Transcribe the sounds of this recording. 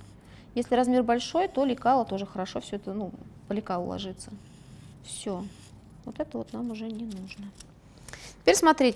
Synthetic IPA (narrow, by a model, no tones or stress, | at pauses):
jesʲlʲɪɾɐzmʲe̞rbɐlʲʂo̞jt̪o̞lʲɪkalˠət̪o̞ʐəxəɾɐʂo̞fsʲɵɛt̪ənupəlʲɪkaʊ̰lˠɐ̰ʐɨt̪sə | fsʲo | vot̪ɛt̪əvot̪namʊʐɛnʲɪnuʐnə | tʲɪ̥pʲeɾʲsmɐt̪ɾʲetʲ